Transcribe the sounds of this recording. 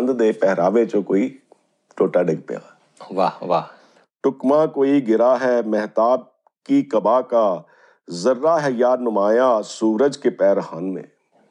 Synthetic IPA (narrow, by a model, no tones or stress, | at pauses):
nd̪d̪eːpɛɦɾaːʋet͡ʃõːkoːiː | ʈoːʈaːɖɪɡ̚pḛja̰ː | ʋaːʋaː | ʈʊkmãːkoːiɡɪɾaːɦɛːmɛɦt̪aːb̚ | kikəbaːkaː | zəɾːaːɦɛːjaːnʊmaːjãːsuːɾəd͡ʒkepɛːɾɦaːnmḛ̃ː